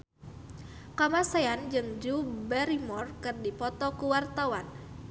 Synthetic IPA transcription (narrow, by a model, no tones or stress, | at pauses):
kamasaand͡ʒɨŋd͡ʒubɛɾimɔrkɨrdipɔt̪ɔkuwart̪awan